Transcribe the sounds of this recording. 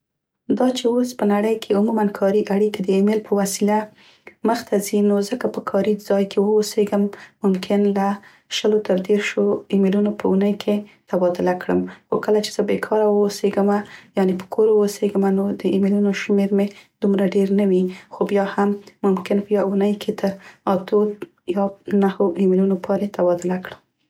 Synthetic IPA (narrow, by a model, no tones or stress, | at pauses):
d̪ɑt͡ʃeospənaɽəjkʰeumumankʰɑɾiʔaɽikad̪əemɪlpʰəwasila | məxt̪ʰazinozəkapəkʰɑɾizɑjkʰewəuseɡəmːʊmkʰɪnla | ʃəlot̪əɾd̪eɾʃoimelunopʰəunəjkʰet̪abɑd̪ʊlakɽəmxokəlat͡ʃe̥z̥əbekʰɑɾawəuseɡəmajɑnepə̥kʰoɾwəoseɡəmanod̪əimilunoʃmeɾmed̪̥umɾaɖeɾnawixobjɑhamːʊmkɪnpəjwaunəjkʰet̪ʰəɾɑt̪o | jɑnahoimɪlunopʰɑɾet̪abɑd̪ɪlakɽəm